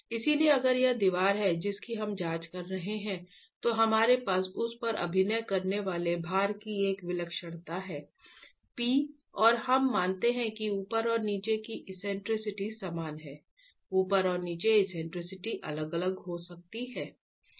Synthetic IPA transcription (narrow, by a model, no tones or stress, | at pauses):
ɪsilieɐɡəɾjed̪iʋaːɾɦɛd͡ʒɪskiɦɐmd͡ʒaːt͡ʃkɐɾːɐɦeɦɛ̃ | t̪oɦɐmaːɾepaːsʊspɐɾʔɐ̰bʱɪnəjkɐɾneʋaːlebʱaːɾkieːkʋɪləkʃəɽ̃t̪aɦɛː | piː | ɔːɾhɐmːaːnt̪eɦɛ̃kiuːpəɾɔːɾniːt͡ʃekiʔɪsɛ̃ːɳʈɾɪsɪʈisaːmaːnɦɛː | uːpəɾɔːɾniːt͡ʃeɪsɛ̃ːɳʈɾɪsɪʈiʔɐləɡɐləɡɦosɐk̚t̪iɦɛː